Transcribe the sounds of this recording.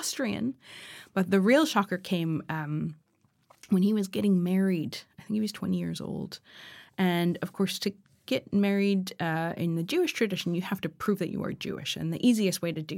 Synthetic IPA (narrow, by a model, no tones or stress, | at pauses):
stɹ̥iɨ̰̃nb̥ʌt̪̚ðɨɹilˠʃɑkə˞kʰẽɪ̃mʌ̃m | wə̃niwʌzɡɛɾɪ̃ŋmɛɹidaɪθɪ̃ŋkhiwʌz̥tʰw̥ɛ̰̃ñijɪ̰ɹzo̰ʊlˠd̥ʔɨ̃nʌv̥kʰɔɹstʰɨ | ɡ̥ɛt̚mɛɹiɾʌɪ̰̃nðɨd͡ʒʉɨʃtʰɹ̥ɨdɪʃn̩jɨhæftɨpʰɹ̥ʉvðɨ̰t͡ʃɨ̰ə̰˞d͡ʒʉ̰ɪ̰ʃɨ̰̃nðḭʔiziɨst̚weɪɾɨdɨ